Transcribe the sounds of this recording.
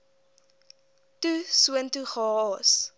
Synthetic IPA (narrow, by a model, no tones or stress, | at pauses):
tusuəntuχɑːɑːs